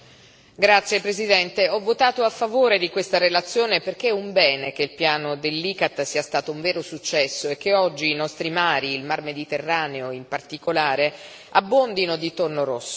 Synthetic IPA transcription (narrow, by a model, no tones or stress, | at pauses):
ɡɾat̪sjepɾezid̪ɛnt̪eɔvːot̪aːt̪oafːavoːɾed̪ikwest̪aɾelat̪sːjoːneperk̟eɛuɱbɛːnek̟eilpjaːnod̪elːiːkat̪ːsiːast̪aːt̪ouɱvɛːɾosut͡ʃːɛsːoekːeɔd͡ʒːiːnɔst̪ɾimaːɾiːlmarmed̪it̪erːaːneoimpart̪ikolaːɾe | abːond̪inod̪it̪ornoɾosːo